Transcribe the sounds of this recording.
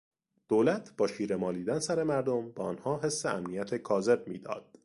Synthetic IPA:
d̪̥oːlæt̪ʰb̥ɒːʃiːɾe̞mɒːliːd̪ænsæɾe̞mæɾd̪ombeɒːnhɒːɦe̞sːeæmnijæt̪ʰekʰɒːze̞b̚miːd̪ɒ̰ːd̪̥

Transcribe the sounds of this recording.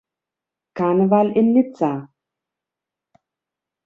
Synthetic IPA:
kaːnəvalɪnːit͡sa

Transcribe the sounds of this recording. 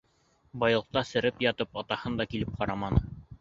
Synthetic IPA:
bɑjlˠɤ̆q̚t̪ɑsɘ̆ɾɘpjɑt̪ɤpɑt̪ɑhɤnd̪ɑkilɘp̚qɑɾɑmɑnɤ

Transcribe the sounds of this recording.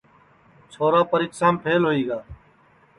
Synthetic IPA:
t͡ʃʰoːɾaːpəɾɪːksaːmpʰeːlɦoːiːɡaː

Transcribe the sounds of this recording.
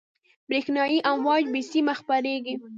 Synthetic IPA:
bɾexnɑjiʔanwɑd͡ʒbisimaxpaɾeɡi

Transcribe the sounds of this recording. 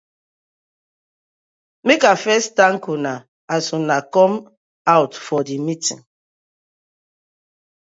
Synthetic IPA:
mekafɛstãŋkuna | asunakɔ̃m | awtfɔdimitḭ̃n

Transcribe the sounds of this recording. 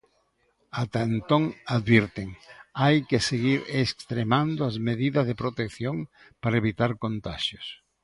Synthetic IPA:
at̪aent̪oŋaðβiɾt̪eŋajkeseɣiɾesst̪ɾemand̪oɐzmeðiðɐzðepɾot̪ekθjoŋ | paɾaeβit̪aɾkont̪aʃjos

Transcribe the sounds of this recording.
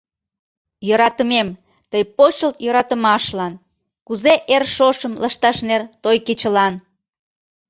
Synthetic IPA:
joɾɑt̪əmem | t̪əjpot͡ɕəlt̪jøɾɑt̪əmɑʃlɑn | kuzeʔerʃoʃəmlʔɑʃt̪ɑʃnert̪ojket͡ɕəlɑn

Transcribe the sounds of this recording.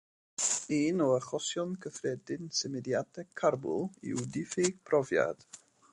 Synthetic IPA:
iːnɔəχɔsjɔnkʰəfrɛdɪnsɪmɛdjadʰɛkʰːarbʊ̰lˠḭudɪfɪɡ̥̚pʰrɔvja̰d̥

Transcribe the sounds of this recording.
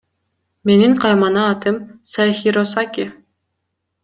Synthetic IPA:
me̞niŋqʰɑjmɑnɑːt̪ɯmsɑxiɾosakʲi

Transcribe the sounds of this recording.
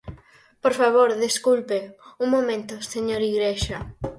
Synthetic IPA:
poɾfaβoɾðeskulpeuŋmomẽnt̪oseɲoɾiɣɾeʃɐ

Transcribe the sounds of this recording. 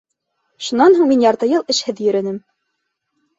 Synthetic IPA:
ʃunɑnɦuɴminjɑɾt̪ɤjɤlˠɘ̆ʃhɘðjɵ̆ɾɘ̆nɘm

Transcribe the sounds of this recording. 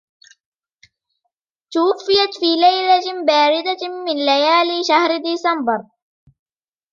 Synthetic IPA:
t̪ʊwafːɪjat̪fiːlajlabaːɾɪd̪amɪnlajaːlʃahɾd̪isambɑɾˤ

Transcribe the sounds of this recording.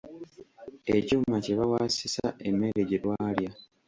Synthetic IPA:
ecumːaceβawaːsisaemːe̞ɾeɟelwaːlja

